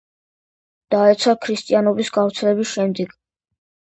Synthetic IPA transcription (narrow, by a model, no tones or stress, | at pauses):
d̪̥aɛt̪sʰakʰɾist̪ʼianɔbisɡavt̪sʰɛlɛbisʃɛmd̪ɛɡ̥